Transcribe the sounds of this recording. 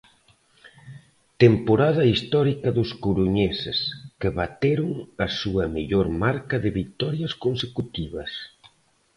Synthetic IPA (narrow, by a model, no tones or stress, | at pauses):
t̪empoɾaðɐist̪ɔɾikɐðʊskuɾuɲesɪ̰skeβat̪eɾʊŋɐsuɐmeʎoɾmaɾkɐðɪβik̚t̪ɔɾjɐskonsekut̪iβɐs